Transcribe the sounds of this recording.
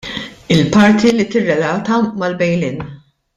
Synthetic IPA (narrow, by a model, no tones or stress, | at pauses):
ɪlpɐɾt̪ʰilit̪ɪrːɛlɐːt̪ɐmɐlbɛjlɪːn